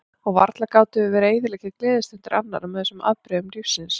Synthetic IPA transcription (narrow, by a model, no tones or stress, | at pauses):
ɔɣva̰ɾt̪lakaːwt̪ʏɪvɛːɾeːjðɪlɛcɪklɛːðɪst̪ɛnt̪ɪɾʔa̰nːaɾamɛθɛsʏma̰ðpɾɛʏmɾifsɪns